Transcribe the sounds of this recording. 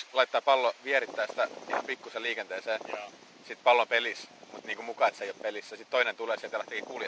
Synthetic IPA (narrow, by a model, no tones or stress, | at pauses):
lɑit̪ːɑːpɑlːoʋiɛrit̪ːæːsi̥t̪æsiːhempikːuseliːkent̪eːseː | sit̪pɑlːompelismut̪niːŋkumukɑːet̪seijoppelisːæsit̪toinent̪uleːselt̪ælæht̪ːekikuːljɑ